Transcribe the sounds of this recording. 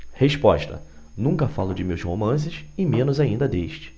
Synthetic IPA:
heʃpɔʃt̪ɐ̰ | nũŋkɐfalʊd͡ʒɪmewzhomɐ̃s̬ɪʃɪmẽnʊzaĩnd̪ɐd̪eʃt͡ʃɪ̥

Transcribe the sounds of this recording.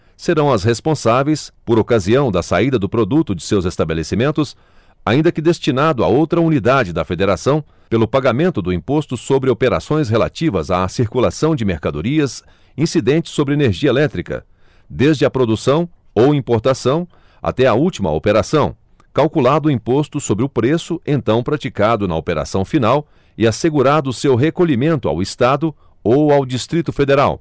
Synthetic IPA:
seɾɐ̃w̃ɐsɦespõsavejspoɾokaziɐ̃w̃d̪ɐsaid̪ɐd̪ʊpɾod̪ut̪ʊd͡ʒɪsewzest̪abelesimẽnt̪ʊs | a̰ĩnd̪ɐkɪd̪est͡ʃinad̪ʊa̰owt̪ɾɐunid̪ad͡ʒɪd̪ɐfed̪eɾasɐ̃w̃ | pelʊpaɡamẽnt̪ʊd̪ʊĩpost̪ʊsobɾɪopeɾa̰sõj̃sɦela̰t͡ʃivɐza̰siɾkulasɐ̃w̃d͡ʒɪmeɾkad̪oɾiɐs | ĩsid̪ẽnt͡ʃɪ̥sːobɾɪeneɾʒiɐelɛt̪ɾikɐ̰ | d̪ezd͡ʒɪɐpɾod̪usɐ̃w̃ | owĩpoɾt̪asɐ̃w̃ | a̰t̪ɛɐuwt͡ʃimɐ̰o̰peɾasɐ̃w̃ | kawkulad̪ʊĩpost̪ʊsobɾɪʊpɾesʊẽnt̪ɐ̃w̃pɾat͡ʃikad̪ʊnɐopeɾa̰sɐ̃w̃finaw | ɪaseɡuɾad̪ʊːsewɦekoʎimẽnt̪ʊa̰wist̪ad̪ʊ | owawd͡ʒist̪ɾit̪ʊfed̪eɾa̰w

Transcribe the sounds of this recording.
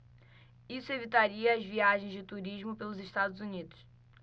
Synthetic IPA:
isuevit̪aɾiɐaʒviaʒẽj̃zd̪ɨt̪uɾiʒmupelˠuziʃt̪ad̪uzunid̪uʃ

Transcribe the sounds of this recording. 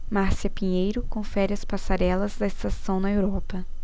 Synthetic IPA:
maɾsiɐpĩɲejɾʊkõfɛɾɪɐspasaɾɛlɐzd̪ɐest̪asɐ̃w̃nɐewɾɔpɐ

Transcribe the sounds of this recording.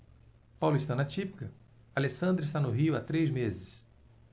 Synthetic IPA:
pawlʊist̪ɐ̃nɐt͡ʃipi̥kɐ | alesɐ̃nd̪ɾɪst̪anʊɦiʊat̪ɾejzmezɪs

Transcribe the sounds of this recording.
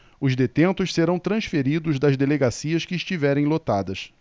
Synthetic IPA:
ʊzd̪et̪ẽnt̪ʊʃseɾɐ̃w̃t̪ɾɐ̃sfeɾid̪ʊzd̪ɐzd̪eleɡasiɐskɪːʃt͡ʃivɛɾẽj̃lot̪ad̪ɐs

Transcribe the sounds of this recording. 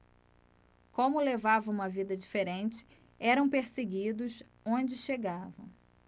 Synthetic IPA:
kõmʊlevavɐũmɐvid̪ɐd͡ʒifeɾẽnt͡ʃɪ̥ | ɛɾɐ̃w̃peɾseɡid̪ʊs | õd͡ʒɪʃeɡavɐ̃

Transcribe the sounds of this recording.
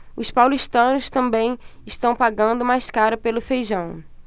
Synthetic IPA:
ʊspawliʃt̪ɐ̃nʊst̪ɐ̃mbẽj̃ɪʃt̪ɐ̃w̃paɡɐ̃nd̪ʊmajskaɾɐpelʊfejʒɐ̃w̃

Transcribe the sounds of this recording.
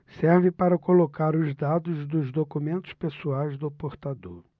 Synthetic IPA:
sɛɾvɪ̃paɾɐkolokaɾʊzd̪ad̪ʊzd̪ʊzd̪okumẽnt̪ʊ̥spesuajzd̪ʊpoɾt̪ad̪oɾ

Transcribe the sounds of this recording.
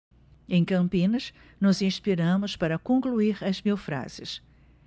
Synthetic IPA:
ẽj̃kɐ̃mpĩnɐʃ | nʊzĩʃpiɾɐ̃mʊʃpɐɾɐkõŋkluiɾɐzmiwfɾa̰z̥ɪʃ

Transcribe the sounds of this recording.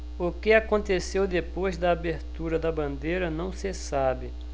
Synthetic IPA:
ʊkɪakõnt̪esewd̪epojzd̪ɐabeɾt̪uɾɐd̪ɐbɐ̃nd̪ejɾɐnɐ̃w̃sɪsabɪ

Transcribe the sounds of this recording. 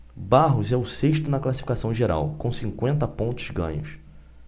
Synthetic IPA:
baɦʊzɛʊseʃt̪ʊnɐklasi̥fi̥kasɐ̃w̃ʒeɾa̰wkõsĩŋkwẽnt̪ɐpõnt̪ʊ̥zɡɐ̰̃ɲʊs

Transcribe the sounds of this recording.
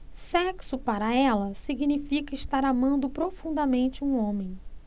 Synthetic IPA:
sɛksʊpaɾɐɛlɐsiɡinifikɐɪʃt̪aɾamɐ̃nd̪ʊpɾofũd̪ɐmẽnt͡ʃɪũõmẽj̃

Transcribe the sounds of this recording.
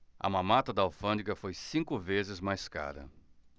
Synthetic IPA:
ɐ̰mɐ̃mat̪ɐd̪ɐawfɐ̃nd̪ikɐfojsĩkʊvezɪzmajska̰ɾɐ̰

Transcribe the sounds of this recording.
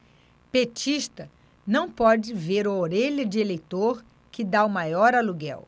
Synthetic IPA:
pet͡ʃiʃt̪ɐ | nɐ̃w̃pɔd͡ʒɪveɾɐoɾeʎɐd͡ʒɪelejt̪oɾ | kɪd̪aumajɔɾaluɡɛ̰w

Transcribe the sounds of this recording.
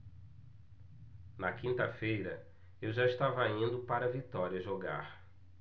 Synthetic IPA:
nɐkĩnt̪ɐfejɾɐ | ewʒaiʃt̪avɐĩnd̪ʊpaɾɐvit̪ɔɾiɐʒoɡa̰ɾ

